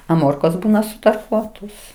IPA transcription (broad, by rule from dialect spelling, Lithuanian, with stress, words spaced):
ɐ ˈmoːrkoːs ˈbuːnɐ sʊtɐrˈkuɔtoːs